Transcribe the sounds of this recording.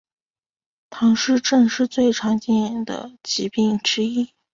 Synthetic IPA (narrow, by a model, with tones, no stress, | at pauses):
t̪ʰɑ˧˥ŋʂɻ̩˥˧ʈ͡ʂɤ˥˧ŋʂɻ̩˥˧t͡swe˥˩ɪʈ͡ʂʰɑ˧˥ŋt͡ɕɛ˥˩nɛ˧˥ŋd̪ə̰˩t͡ɕi˧˥pi˥˩ŋʈ͡ʂɻ̩˥i˥